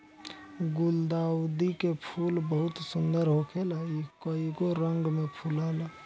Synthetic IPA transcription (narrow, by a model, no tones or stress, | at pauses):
ɡʊld̪aːwd̪ikepʰuːlbəɦʊt̪sʊnd̪əɾɦokʰelaikoiɡoɾəŋɡmepʰulala